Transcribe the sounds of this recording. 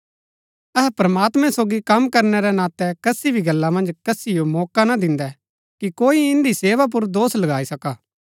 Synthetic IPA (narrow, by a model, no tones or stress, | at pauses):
ɛɦpɾɐmaːt̪mɛ̃soːɡikɐmkɐɾnɛɾɛnãːt̪ɛkɐsibʱiɡɐlːamɐ̃nd͡ʒkɐsijomɔːkanad̪ɪ̃nd̪ɛ | kikoːiɪ̃nd̪iseːʋap̬ʊɾd̪oːslɐɡaːisɐkaː